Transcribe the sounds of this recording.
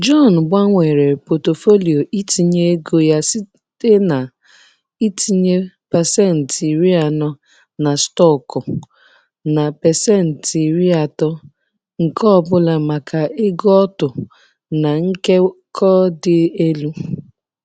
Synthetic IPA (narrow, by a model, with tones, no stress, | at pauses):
d͡ʒɔ˦˨n̩˨ɡ͡ba˦ŋʷe˨ɾe˨po˨to˨fo˦li˨o˨ʔi˦ti˨ɲe˦ɡo˦ja˦si˦ | te˦na˨ | i˦tʰi˨ɲe˦pa˨sɛ˦˨n̩˨ti˨ɾi˦a˨nɔ˦ | na˨stɔ˦˨kɔ˨ | na˨pɛ˨sɛ˦˨n̩˨ti˨ɾi˦a˨tɔ˦ | ŋ̩˨kɔ˦˨bʊ˦la˨ma˨ka˨ɪ˦ɡɔ˦tʊ˨ | na˨ŋ̩˦ke˦kʰɔ˦dɪ˨e˦lu˦